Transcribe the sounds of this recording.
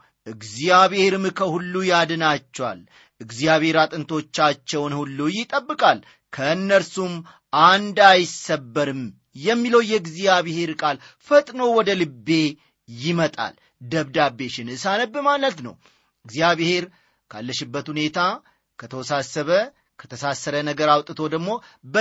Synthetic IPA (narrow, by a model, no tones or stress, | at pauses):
ʔɨɡzijaβeheɾmɨkʰəhulːujad̪ɨnat͡ʃːɛwa̰l | ɨɡzijaβhe̞ɾat̪ʼɨnt̪ʰo̞t͡ʃːat͡ʃːɛwnhulːujɪt̪ʼəbːɨkʼal | kʰəɨnːəɾsum | ʔand̪ajɪsəbːəɾɨm | jɛmːiləwjɛɡzijaβehe̞ɾkʼalfət̪ʼnowɔd̪əlɨbːe̞ | jɪmət̪ʼa̰l | d̪əβd̪abːe̞ʃɪnɨsanəbːɨmalːət̪nə̰w | ɨɡzijaβhe̞ɾ | kʰa̰lːəʃɪbːət̪hune̞t̪ʰa | kʰət̪ʰəwɔsasːəβə | kʰə̥t̪ʰəsasːəɾənəɡəɾawt̪ʼɨt̪ʰo̞d̪əɡmo̞bə